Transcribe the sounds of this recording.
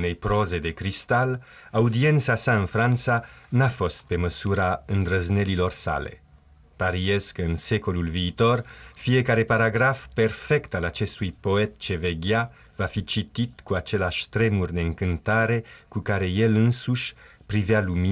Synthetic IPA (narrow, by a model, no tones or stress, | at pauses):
ne̞jpɾo̞ze̞d̪e̞kɾist̪al | aud̪ie̞nt̪sasaɨnfɾant̪sanafo̞st̪̚pe̞məsuɾaɨnd̪ɾəzne̞lilo̞rsa̰le̞̰ | paɾieskəɨnse̞ko̞lulviːt̪o̞rfije̞kaɾe̞paɾaɡɾafpe̞rfe̞kt̪alat͡ʃe̞st̪ujpo̞e̞t̪t͡ʃe̞ve̞ɡja | vafit͡ʃit̪it̪kuat͡ʃe̞leaʃʲt̪ɾe̞murʲd̪e̞ɨŋkɨnt̪aɾe̞kukaɾe̞je̞lɨnsuʃʲpɾivjalumi